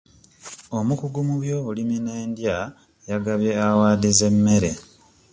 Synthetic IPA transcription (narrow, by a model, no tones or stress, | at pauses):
o̞mukuɡumuβjo̞ulimineːndja | jaɡaβje̞awaːdize̞mːe̞ɾe̞